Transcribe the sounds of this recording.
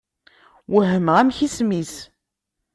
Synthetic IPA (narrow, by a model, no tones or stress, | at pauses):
wəɦəmʁæmçismis